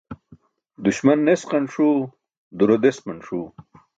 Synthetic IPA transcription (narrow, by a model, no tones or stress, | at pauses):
d̪uɕmɐnːesqɐnʂuː | d̪uɾod̪esmɐnʂuː